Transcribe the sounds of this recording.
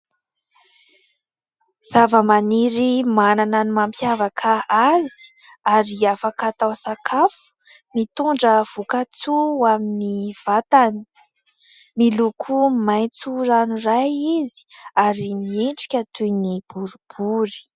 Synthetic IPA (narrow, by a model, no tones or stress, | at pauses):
z̥avəmaniɾimanananimampʰjavakʰaazi̥ | aɾiafakat̪awsakʰafu̥ | mit̪uɳɖ͡ʐəv̥ukat͡suaminiv̥at̪ani̥ | milukʰumajt͡suɾanurajizi̥aɾimieɳʈ͡ʂi̥kʲət̪ujnib̥uɾub̥uɾi̥